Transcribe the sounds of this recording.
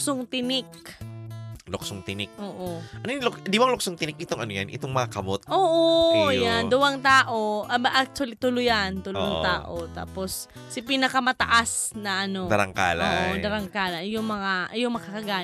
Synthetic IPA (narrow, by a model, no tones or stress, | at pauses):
soŋt̪ɪnɪk̚ | loksoŋt̪ɪnɪk̚ʔoːʔoʔɐnojɪŋlʊkd̪iwɐŋlʊk̚soŋt̪ɪnɪk̚ɪt̪oŋɐnojanʔɪ̰t̪oŋmɐŋakɐmot̪̚ʔoːʔojand̪ʊwɐŋt̪aːʔo̞ʔɐbʔak̚t̪ʊwɐlit̪ʊlʊjant̪ʊlʊ̰ɐŋt̪a̰ːʔot̪a̰ːposː | ɪpinɐkɐmɐt̪ɐʔasnɐʔɐno̞d̪ɐɾɐŋka̰ːla̰od̪ɐɾɐŋkaːlɐjʊŋmɐŋaʔjʊŋmɐkɐkɐɡaː